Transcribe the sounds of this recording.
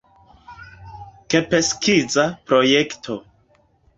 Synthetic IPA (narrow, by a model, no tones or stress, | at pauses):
kepeskizapɾoje̞ktʰo̞